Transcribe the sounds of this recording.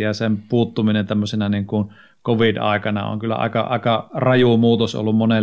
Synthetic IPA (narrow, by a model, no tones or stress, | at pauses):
jɑsempuːt̪ːuminent̪æmːøsenɑniŋkun | koʋidɑ̰ˑekɑnɑ̰o̰ŋkylːæ̰ʔɑ̰ˑekɑʔɑ̰ˑekɑrɑjumuːt̪oso̰lːummone